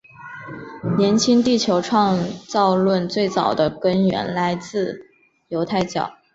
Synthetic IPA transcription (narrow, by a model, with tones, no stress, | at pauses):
njɛ˧˥nt͡ɕʰi˥ŋt̪i˥˩t͡ɕʰjo˧˥ʊʈ͡ʂʰwɑ˥˧ŋt͡sɑ˥˧ʊlwə˥˧nt͡swe˥˩ɪt͡sɑ˨˩ʊd̪ə˦kə˥nɥɛ̰˧˥nla˧˥ɪt͡sɹ̩˥˩ | jo˧˥ʊt̪ʰa˥˧ɪt͡ɕjɑ̰˨˩˦ʊ